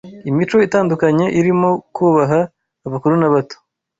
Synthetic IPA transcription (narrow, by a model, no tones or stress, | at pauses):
imit͡ʃo̞itaːndukaɲe̞ʔiɾimo̞kuːβaɦaː | βakuɾunaβato̥